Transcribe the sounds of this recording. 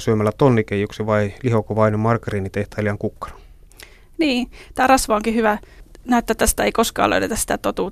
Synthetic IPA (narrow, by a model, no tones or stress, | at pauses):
syømælːæt̪onːikejuksiʋɑilihokoʋɑinemɑrkːɑrinːit̪eht̪æːliɑŋkukːɑ̥nɑ̥ | niːt̪æːrɑsʋɑːoŋkihyʋænæyt̪ːæːt̪ːæst̪æeikoskɑ̰ːlø̰ytet̪ɑsit̪æt̪ot̪uːt